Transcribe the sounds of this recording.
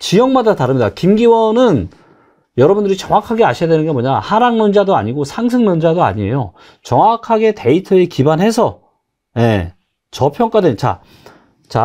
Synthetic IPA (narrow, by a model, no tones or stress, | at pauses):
t͡ɕijʌŋmadataɾɯmɲidakimɡiwʌnɯn | jʌɾʌbundɯɾit͡ɕʌŋwakʰaɡeaɕʰijadwe̞nɯnɡe̞mʌɲahaɾaŋnond͡ʑadoa̰ɲiɡosʰaŋs̬ʰɯŋnond͡ʑadoa̰ɲie̞̰jo | t͡ɕʌŋakʰaɡe̞te̞itʰɯekibanɦhe̞sʰʌ | je̞ | t͡ɕʌpʰjʌŋk͈adwent͡ɕa̰ | t͡ɕa̰